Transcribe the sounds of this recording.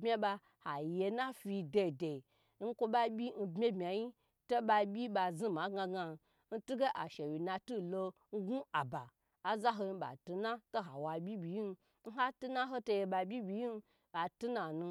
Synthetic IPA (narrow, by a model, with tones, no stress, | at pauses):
bmʲe˦ba˧ | ha˨je˧na˦fi˧de˧˨de˨˦ | n̩˦kʷo˧ɓa˦bʲi˦n̩˧bmʲe˦bmʲa˨ji˦ | to˦ɓa˧bʲi˦ɓa˧zi˦˨ma˨˦ɡa˧ɡa˧˨ | n̩˦tu˦ɡe˦ʔa˨ʃe˨wi˨na˧tu˦˨lo˧ | n̩˦ɡu˦a˨ba˨ | a˨za˦ɦo˧i˧˦ɓa̰˨tu˧na˦to˦ɦa˨wa˨bʲi˦bʲi˨ji˦n˧ | n̩˦ɦa˦tu˦na˦ɦo˦to˧je˧ɓa˧bʲi˦bʲi˨ji˦n˧ | a˨tu˦na˨nu˧